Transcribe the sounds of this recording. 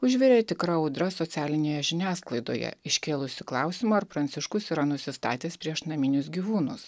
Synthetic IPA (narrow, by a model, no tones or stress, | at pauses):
ʊʒʲʋʲɛɾʲeːt̪ʲɪkɾɐɔʊd̪ɾɐsɔt̪sʲæːlʲɪnʲeːjɛʒʲɪnʲæːsklˠɐɪd̪o̰ːjɛ̰ɪʃʲkʲeːlˠʊsʲɪklˠɑˑʊsʲɪmɐɐɾpɾɐnʲt̪sʲɪʃkʊsiːɾɐnʊsʲɪst̪ɑ̰ːt̪ʲeːspʲɾʲiɛʃnɐmʲɪnʲʊs̬ɡʲiʋuːnʊs